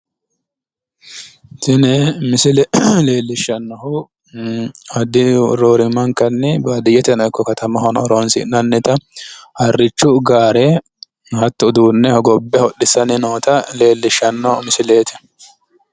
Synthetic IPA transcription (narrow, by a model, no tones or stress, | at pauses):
sɪnɛmɪsɪlɛle̞ːlːɪʃːɐnːɔhʊ | ɐd̪ɪɾoːɾɪmɐŋkɐnːɪbad̪ɪjɛt̪ɛnɔjkːɔkɐt̪ɐmɐɦɔnɔɾonsɪ̰nːɐnːɛt̪ɐhɐrːɪt͡ʃːʊɡaːɾe | hɐt̪ːʊd̪uːnːɛhɔɡɔbːɛhɔɗːɪsːɐnɪnoːt̪ɐle̞ːlːɪʃːɐnːɔmɪsɪle̞ːt̪ɛ̥